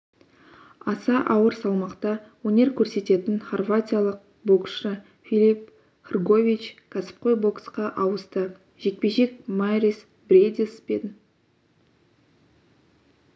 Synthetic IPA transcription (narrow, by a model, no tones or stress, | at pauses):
ɑsɑʔɑwəɾsɑlˠmɑqt̪ɑwɵnʲe̞ɾkʲʰɵɾse̞t̪e̞t̪ɪnχorvatʲijalˠəq̚ | bo̞ksʃə | fʲilʲip | χərɡo̞vʲit͡ʃkʰasə̥p̚qo̞jbo̞ksqɑʔɑwəst̪ə | ʒe̞k̚pe̞ʒe̞k̚majris | brʲed̪ʲiə̥sped̪ɪn